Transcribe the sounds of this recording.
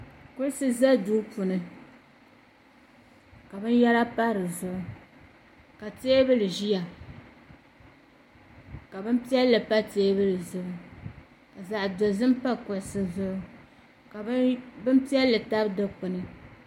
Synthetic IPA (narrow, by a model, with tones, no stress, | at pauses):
kʊ˦ɾɨ˦sɨ˦za˦duː˦pʊ˨nɨ˨ | ka˨bɨ˦nja˦ɾa˦pa˦ɾɨ˨zʊ˨ʔʊ˦ | ka˨teː˦bɨ˦lɨ˨ʒi˦ja˨ | ka˨bɨ˦m˦pi˦ɛ˦lːɨ˨pa˦teː˦bɨ˦lɨ˨zʊ˨ʔʊ˨ | a˨za˨ʔdo˨zɨ˦m˦pa˦kʊ˨ɾɨ˦sɨ˦zʊ˦ʔʊ˦ | ka˨˦bɨ˦m˦pi˦ɛ˦lːɨ˨ta˦bdɨ˦k͡pʊ˨nɨ˦